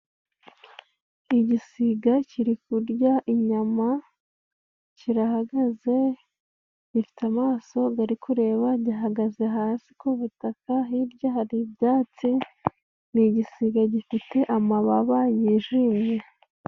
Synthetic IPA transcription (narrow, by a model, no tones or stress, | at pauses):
iɟisiɡaciɾikuɾɟaʔiɲama | ciɾaɦaɡaze̞ | ɟifi̥tamaːso̞ɡaɾikʰuɾe̞ːβaɟiɦaɡaze̞ɦaːsi̥kuβutakaɦibɟahaɾibjaːt͡si | niɟisiɡaɟifite̞ʔamaβaβajiʒiːmje̞